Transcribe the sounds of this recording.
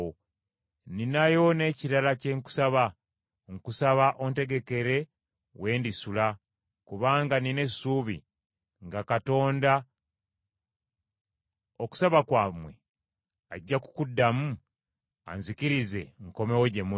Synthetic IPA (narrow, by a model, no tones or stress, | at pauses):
o | ninajo̞ne̞ciɾalace̞ŋku̥saβa | ŋkusaβaʔo̞nte̞ɡe̞ke̞ɾe̞ | we̞ːndisula | kuβaːŋɡanine̞suβḭ | ŋɡakato̞ːnda | oku̥saβakwaːmwe̞̰ | aɟːaku̥kudːamu | a̰nzikiɾize̞̰ŋko̞mewoɟe̞mu